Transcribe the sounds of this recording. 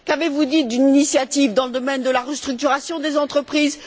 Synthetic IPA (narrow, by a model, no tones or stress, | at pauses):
kavevud̪it̚d̪yninisjat̪ivd̪ɑ̃ləd̪ɔmɛnd̪əlaʁəst̪χyk̚t̪yʁasjɔ̃d̪ezɑ̃t̪χəpχiːz